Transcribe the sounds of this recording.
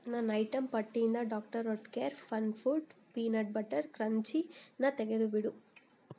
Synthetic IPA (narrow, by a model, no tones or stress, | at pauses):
nɐnːɐjʈɐmpɐʈːijind̪ɐɖaːk̚ʈɐɾːoʈkeːɾfɐnfuʈpiːnɐʈ̚bɐʈːɐɾkɾɐɲt͡ʃinɐt̪ɛɡed̪ubiɽu